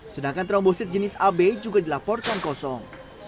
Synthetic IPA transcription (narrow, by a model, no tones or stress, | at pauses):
sədaŋkant̪ɾɔmbosɪt̪̚d͡ʒənɪsabed͡ʒuɡadilapɔrkankɔsɔŋ